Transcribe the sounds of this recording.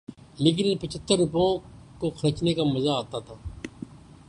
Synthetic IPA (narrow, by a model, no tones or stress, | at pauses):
leːk̬ɪnepət͡ʃʰət̪ːəɾːʊpõkoxəɾt͡ʃnekamɐzaːt̪at̪ʰaː